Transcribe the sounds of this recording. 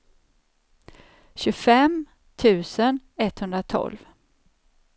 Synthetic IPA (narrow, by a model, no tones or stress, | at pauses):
ɕɵfɛm | t̪ʰʉ̟ːsənɛt̪hɵnd̪ɾat̪ʰɔ̰lv